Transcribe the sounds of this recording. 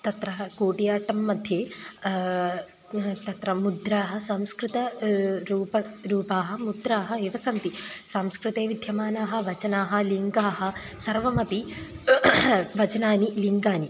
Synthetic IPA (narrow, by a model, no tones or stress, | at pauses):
t̪ɐt̪ɾɐɦɐkoːʈijaːʈɐmːɐd̪ʱjeː | t̪ɐt̪ɾɐmud̪ɾaːɦɐ̆sɐmskɾɪt̪ɐɾuːpɐɾuːpaːɦɐmud̪ɾaːɦɐeːʋɐsɐnt̪isaːmskɾɪt̪eːʋid̪ʱjɐmaːnaːɦɐ̆ʋɐt͡ʃɐnaːɦɐ̆liŋɡaːɦɐ̆ | sɐɾʋɐmɐpi | ʋɐt͡ʃɐnaːniliŋɡaːni